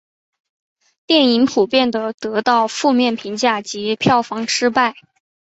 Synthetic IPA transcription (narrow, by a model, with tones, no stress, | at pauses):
t̪jɛ˥˩ni˧˥npʰu˨˩pjɛ˥˩nd̪ə˩t̪ɤ˧˥t̪ɑ˥˧ʊfu˥˧mjɛ˥˩npʰi˧˥ŋt͡ɕja˥˩t͡ɕi˧˥pʰjɑ˥˩ʊfɑ˧˥ŋʈ͡ʂʰɻ̩˥pa˥˩ɪ